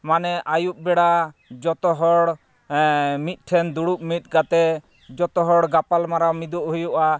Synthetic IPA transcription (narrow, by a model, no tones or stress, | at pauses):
manɛʔajup̚bɛɽad͡ʒɔt̪ɔɦɔɽ | mit̪̚ˀʈʰɛnd̪uɽup̚mit̪̚ˀɡat̪ɛ | d͡ʒɔt̪ɔɦɔɽɡapalmaɾawmid̪uʔɦujuʔa